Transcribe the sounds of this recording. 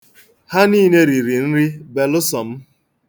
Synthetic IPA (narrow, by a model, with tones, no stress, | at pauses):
ha˦niː˦ne˦ɾi˨ɾi˨n̩˦ɾɪ˦be˨lʊ˦sɔ˨m̩˦